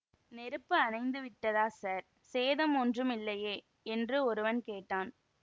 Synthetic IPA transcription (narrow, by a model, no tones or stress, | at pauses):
nɛɾɯpːɯɐnɐɪnd̪ɯʋɪʈːɐðaːsaːɾ | seːðɐmɔndrɯmɪlːɐjeː | ɛndrɯɔɾɯʋɐnkeːʈːaːn